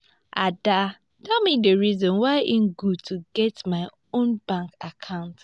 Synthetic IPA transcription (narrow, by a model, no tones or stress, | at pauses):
a̰da | dɛmidəɹizɔ̃nwaɪʔim̩ɡudtʰuɡɛtmaɪ | õnbãŋkakʰãʊ̃nt